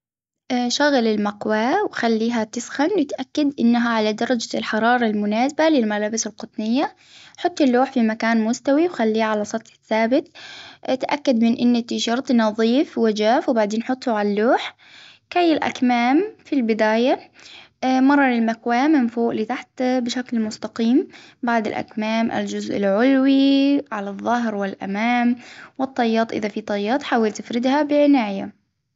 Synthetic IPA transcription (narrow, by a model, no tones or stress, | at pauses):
ʃaɣlɪlmakwaːwxalːiːɦat̪ɪsxanwɪt̪ʔakːad̪ʔɪnːaɦaʕalad̪ɑɾˤɑd͡ʒalħɑɾˤɑːɾˤɑlmʊnaːsabalɪlmalaːbɪsɪlqʊt̪ˤnɪjːa | ħʊt̪ˤːɪlːuːħfimakaːnmʊst̪awiwxalːiːʕalasˤɑt̪ˤħɪ̥θːaːbɪt̪t̪ʔa̰kːad̪mɪnʔɪnːat̪ɪʃɑɾˤt̪ˤnɑðˤiːfwad͡ʒaːfwbaʕd̪eːnħʊt̪ˤːʊʕalalːuːħ | kajːɪlʔa̰kmaːmfilbɪd̪aːja | mɑrˤːɑlɪlmakwaːmɪmfoːʔlit̪aħt̪bɪʃaklmʊst̪aqiːmbaʕd̪ɪ̰lʔa̰kmaːmʔa̰ld͡ʒʊzʔɪ̰lʕʊlwiʕalaðˤːɑɦɾwɪlʔa̰maːmwɨt̪ˤːɑjːɑːt̪ˤʔɪ̰ðafit̪ˤɑjːɑːt̪ˤħaːwɪlt̪ɪfɾɪd̪habɪʕɪnaːʔja